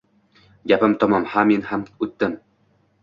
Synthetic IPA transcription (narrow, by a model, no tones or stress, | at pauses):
ɡʲæpɘmt̪ɒmɒmhaminhamʉt̪ːɘm